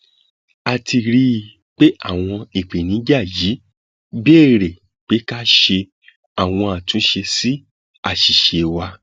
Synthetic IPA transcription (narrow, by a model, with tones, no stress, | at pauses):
a˧ti˧ɾi˦˧ | k͡pe˦ʔa˦˨w̃ɔ̃˧e˨k͡pe˨nĩ˨˦d͡ʒa˦˨ji˨˦ | be˦˨ɾe˨ | k͡pe˨˦ka˦ʃe˧ | a˨w̃ɔ̃˧a˨tũ˨˦ʃe˧si˦ | a˦˨ʃi˨ʃe˨wa˧